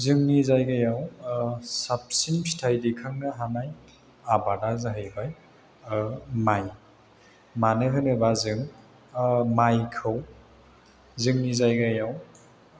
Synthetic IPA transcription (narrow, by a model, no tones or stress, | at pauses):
zɯŋnizajɡajaw | sap̚sinstʰajdikʰaŋnaɦanaj | abadazaɦɯjbaj | maj | manɯɦɯnɯbazɯŋ | majkʰɯw | zɯŋnizajɡajaw